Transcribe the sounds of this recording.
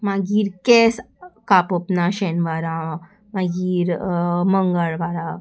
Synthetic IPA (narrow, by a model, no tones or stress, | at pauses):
maɡiːɾkɛs | kapopnaɕɛnʋaɾa | maɡiːɾməŋɡəɭʋaɾa